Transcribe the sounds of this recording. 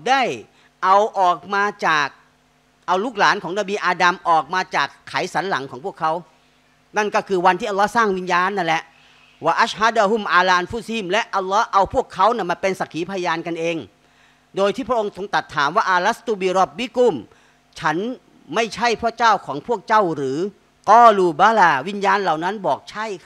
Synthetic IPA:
da˥˩j | ʔa˧wʔɔː˨˩k̚maː˧t͡ɕaː˨˩k̚ | ʔa˧wluː˥˩k̚laː˩˦nkʰɔː˩˦ŋnaː˧biː˧ʔaː˧da˧mʔɔː˨˩k̚maː˧t͡ɕaː˨˩kʰːa˩˦jsa˨˩˦nla̰˩˦ŋkʰɔː˩˦ŋpʰu˥˩əkʰːa˦˥w | na˥˩nkɔː˥˩kʰɯː˧wa˧nt̪ʰiː˥˩ʔlːɔː˦˥saː˥˩ŋwi˧njaː˧nːa˥˩˨lɛ˧˥ʔ | waː˧˩ʔa˦˥˩haː˦˥˩daː˧ɦu˧˥˩mʔaː˧laː˧˨nfu˦˥˩siː˦˧˥mlɛ˦˥ʔa˧lːɔː˦˥ʔa˧wpʰu˥˩əkʰːa˦˥wna˥˩˨ma˧˩npe˧nsa˨˩kʰiː˩˦pʰa˧jjaː˧nka˧nʔeː˧ŋ | doː˧jt̪ʰiː˥˩pʰɾa˥ʔo˧ŋso˧ŋt̪a˨˩t̪ʰːaː˩˦mwaː˥˩ʔaː˧la˦˥st̪uː˧˩biː˧ɾɔ˦˥˩p̚wi˦kuː˥˩m | t͡ɕʰa˦˥n | ma˥˩jt͡ɕʰa˥˩jpʰuː˥˩ət͡ɕaː˥˩wkʰɔː˩˦ŋpʰu˥˩ək̚t͡ɕa˥˩wɾɯː˩˦ | kɔː˧˥˩luː˧baː˦laː˧˩wi˦˥˩njaː˧nla˨˩wna˦˥nbɔː˨˩k̚t͡ɕʰa˥˩j

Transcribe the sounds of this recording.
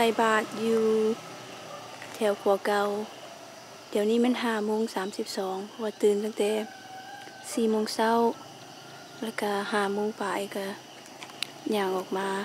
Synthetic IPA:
sa˧˩jbaː˧˩t̪̚juː˧ | t̪ʰɛː˧˩wkʰu˧˦ɐka˧w | di˨˩ə˨wniː˧˥˨mɛ˧˥˨nɦaː˧˩moː˧˥˨ŋsaː˨˦msi˧p̚sɔː˨˦ŋpʰɔ˧˩waː˧t̪ɯː˨˩nt̪ʰa˧˨ŋt̪ɛː˨˧˦ | siː˧˩moː˧˨ŋsa˧˥˨w | laː˧˩ka˧˩haː˧˩moː˧˥˨ŋpaː˨˩ʔa˧˨˩ka˧˩ | ɲaː˧˩ŋʔɔː˨˩k̚maː˧˥˨

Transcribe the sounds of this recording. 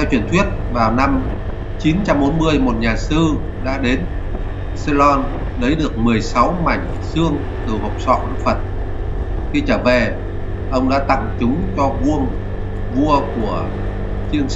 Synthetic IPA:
t̪ʰa˧t͡ɕwi˧˩ənt̪ʰwi˦˥ət̚vaː˨˩wna˧m | t͡ɕi˨˦nt͡ɕa˧mɓo˨˦nmɨ˧əjmo˨˩t̚ɲaː˨˩sɨ˧ | ɗa̰ː˧˥ɗe˨˦n | se˧lɔ˧n | lə˨˦jɗɨ˨˩ək̚mɨ˨˩əjsa˨˦wma˧˩jŋ̟̚ | sɨ˧əŋ | t̪ɨ˨˩ho˨˩wk͡p̚sɔ̰˧˨ʔə˧˦˥k̚fə˨˩t̚ | xi˧t͡ɕəː˧˩ve˨˩ | ʔə˧wŋ͡mɗa̰ː˧˥t̪a̰˧˨ŋt͡ɕʊ˨˦ŋ͡mt͡ɕɔ˧vu˧əŋ | vu˧əku˧˩ə | t͡ɕi˧əŋs

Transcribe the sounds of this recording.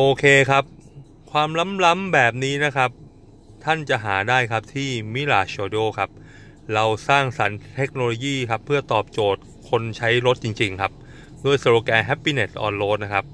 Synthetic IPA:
ʔoː˧kʰeː˧kʰa˦˥p̚ | kʰwaː˧mla˦˥mla˦˥mbɛː˨˩p̬̚niː˦˥na˦˥kʰa˦˥p̚ | t̪ʰa˥˩nt͡ɕa˨˩ʔɦaː˩˦daː˥˩jkʰa˦˥p̚t̪ʰiː˥˩mi˦˥la̰ː˨˩ɕoː˧doː˥˩kʰa˦˥p̚ | ɾa˧wsaː˥˩ŋsa˩˦nt̪ʰe˦˥k̚noː˧loː˧jiː˥˩kʰa˦˥pʰːɯ˥˩ɐt̪ɔː˨˩p̚t͡ɕoː˨˩t̪̚kʰo˧nt͡ɕʰa˦˥jɾo˦˥t̪̚t͡ɕi˧ŋt͡ɕi˧ŋkʰa˦˥p̚ | pʰɯ˥˩ɐsa˧ɾoː˧kɛː˧nɦɛ˦˥pːiː˧ne˨˩t̚ʔɔ̰ː˧nloː˦˥t̪̚na˦˥kʰa˦˥p̚

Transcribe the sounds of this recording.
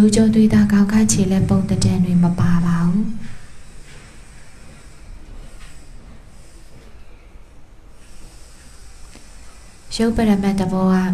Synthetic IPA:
o˨t͡ɕõ˦˨nt̪̬we˦˨d̪a˦ɡã˨ʊ̃ka̰˦˨t͡ɕʰe˨lɛ˦põ˨ʊ̃t̪ətã˨ndwe˨məpa˨ba˨ʔu˦˨ | jo˦˨pə˨ɾa˨mɛ˦ʔ̪̚t̪əbɔ˦ɡa˦˨

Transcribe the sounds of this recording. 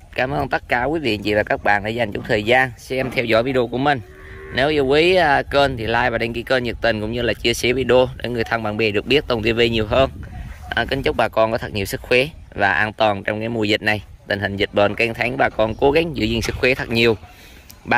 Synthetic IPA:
kaː˨˦mʔəː˧nt̪ə˦˥t̚kaː˧˩kwi˨˦vḭ˧˨t͡ɕḭ˧˨vaː˨˩kaː˦˥k̚ɓa̰ː˧˨nɗa̰ː˧˦za˨˩jŋ̟t͡ɕʊ˧˦ŋ͡mt̪ʰəː˨˩jzaː˧nsɛ˧mt̪ʰɛ˧wzɔ̰˧˥jvi˨˦ɗo˧ku˧˩əmï˨˩ŋ̟ | ne˨˦wʔi˧wki˨˦jkəː˧nt̪ʰi˨˩laː˧jvaː˨˩ɗe˧nɣi˧kəː˧nzɨ˨˩k̚t̪ï˨˩ŋ̟kʊ̰˧˥ŋ͡mɲɨ˧laː˨˩t͡ɕi˧əsi˨˧˦vi˧ɗo˧ɗe˧˨˦ŋɨ˨˩əjt̪ʰa˧ŋɓaː˧˩nɓe˨˩ɗɨ˨˩ək̚ɓi˦˥ət̚t̪ə˨˩wnt̪i˧nvi˧ɲi˨˩əwɦəː˧nʔːkï˨˦ŋ̟t͡ɕʊ˦˥k͡p̚ɓaː˨˩kɔ˧nkɔ˨˦t̪ʰə˨˩ɲi˨˩əwsɨ˦˥k̚xwe˨˦ | vaː˨˩ʔaː˧nt̪waː˨˩nt͡ɕɔ˧wŋ͡mkaː˨˦jmu˧˩əjzï˨˩t̚na˨˩jt̪ï˨˩ŋ̟hï˨˩ŋ̟zi˨˩ɓə̰ː˨˩nkɛ˧ŋt̪ʰa˨˦ŋɓaː˨˩kɔ˧nko˨˦ɣa˨˦ŋ̟zɨ̰˧˥zḭ˧˩ŋsɨ˦˥k̚xwe˨˦t̪ʰə˨˩ɲi˨˩əw | ɓa˨

